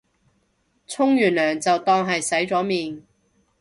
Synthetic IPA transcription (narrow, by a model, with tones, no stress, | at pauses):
t͡sʰʊ˥ŋjyː˨˩nlœː˨˩ŋt͡sɐ˨wt̪ɔː˥ŋɦɐ˨jsɐ˨˥jt͡sɔː˨˥miː˨n